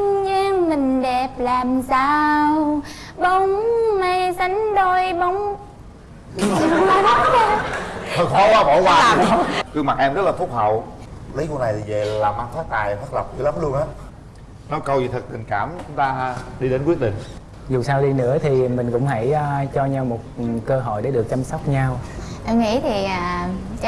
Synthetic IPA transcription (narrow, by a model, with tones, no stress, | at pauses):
ɲa˧ŋmï˨˩ŋ̟ɗɛ˨˩p̚laː˨˩msaː˧w | ɓə˨˦wŋ͡mma˧˩jsa˨˦jŋ̟ɗo˧jɓo˨˦wŋ͡m | a˨˦˥ | kɔ˨˦waː˨˦ɓo˧˦waː˨˩a˨˩˦ɔ˨˦kɨ˧ŋma˨˩t̚ʔɛ˧mzə˦˥t̚laː˨˩fu˦˥p̚hə̰˨˧˨wli˨˦jko˧˦na˨˩jve˨˩laː˨˩mːa˨˧˩ŋt̪ʰaː˨˦jt̪aː˨˩jfə˦˥t̚lə˨˩p̚zɨ˧˦la˨˦mlu˧əŋhə˦˥t̚ | nɔ˨˦jkə˧wzi˨˩t̪ʰə˨˩t̚t̪ï˨˩ŋ̟kaː˧˩mt͡ɕʊ˨˦ŋ͡mt̪aː˧ɗi˧ɗe˨˦nkwi˦˥ət̚ɗï˨˩ŋ̟ | zu˨˩saː˧wɗi˧nɨ̰˧˥ət̪ʰi˨˩mï˨˩ŋ̟kʊ̰˧˥ŋ͡mɦa˧˩jːt͡ɕɔ˧ɲa˧wmo˨˩t̚kəː˧ɦo̰˧˨jɗe˨˧˩ɗɨ˨˩ək̚t͡ɕa˧msɔ˦˥wk͡p̚ɲa˧wʔa˧ŋḭ˧˥t̪ʰi˨˩ʔaː˨˩˨